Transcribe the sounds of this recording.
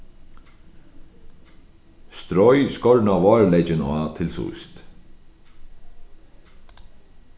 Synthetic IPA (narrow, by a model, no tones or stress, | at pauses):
st̪ɾɔjskɔɹnavɑːɹlɛjt͡ʃɪnat̪ʰɪlsṵjst̪